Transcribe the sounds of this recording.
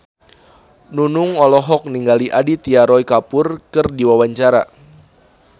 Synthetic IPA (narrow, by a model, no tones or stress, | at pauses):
nunuŋɔlɔɦɔk̚niŋɡaliʔadit̪iaɾɔikapʊrkɨrdiwawaɲt͡ʃaɾa̰